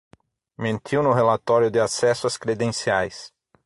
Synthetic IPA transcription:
mẽnt̪ʰiwnʊɦelat̪ɔɾjʊd̪ɪasɛsʊaskɾed̪ẽsiajs

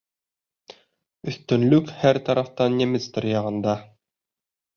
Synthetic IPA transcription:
ɵ̆θt̪ɵ̆nlɵkhæɾt̪ɑɾɑft̪ɑnːʲemɘst̪ɾjɑʁɤ̆nd̪ɑ

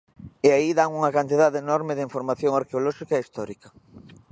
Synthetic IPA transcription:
eaiðaŋuŋɐkant̪iðaðeːnɔɾmɪðɪiɱfoɾmaθjoŋaɾkeolɔʃikɐeist̪ɔɾikɐ

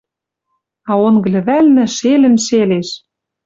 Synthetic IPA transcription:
ɑonɡɤ̆lʲɘ̆βælnɘ̆ʃelɘ̆nʃeleʃ

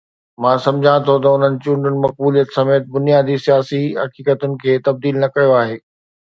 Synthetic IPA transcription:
mãːsɐ̃md͡ʑʱãt̪ʰot̪ɐʊn̤ənɪ̆t͡ɕũːɳɖʊnɪ̆mɐk̚buːlijət̪sɐmeːt̪̚bʊnijaːd̪isijaːsiɦɐkiːkət̪ʊnɪ̆kʰeːt̪ɐb̚d̪iːlnɐkɐjoaːɦeː

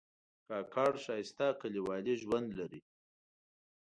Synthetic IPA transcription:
kɑːkʰɑːɽʃɑːjɪst̪akaliwɑliʒwand̪laɾi

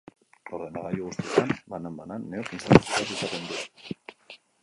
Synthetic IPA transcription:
oɾðenaɣajuɣust̪iet̪anbanambananːeokinsat̪usiβat̪isat̪e̞nd̪u

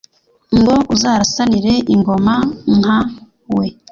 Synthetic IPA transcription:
ŋɡo̞ʔuzaːɾasaniɾe̞ʔiŋɡo̞maŋha | we̞

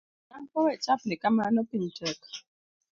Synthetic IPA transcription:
aŋ̩kɔwɛt͡ʃap̚nɛkamanɔkin̩tɛk

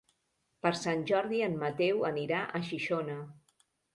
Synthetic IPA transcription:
pəɾsanʲʒɔɾðiənmət̪ɛwəniɾaʔəʃiʃonə

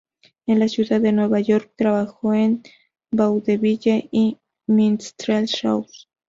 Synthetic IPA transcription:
enlasjuðaðːenwe̞βaʝo̞ɾk̚t̪ɾaβaxoen | bawðeβiʎeʔi | minst̪ɾelʃa̰ws

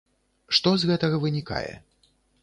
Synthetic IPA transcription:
ʂt̪ɔzɣɛt̪ɐɣɐvɨnʲika̰jɛ̰

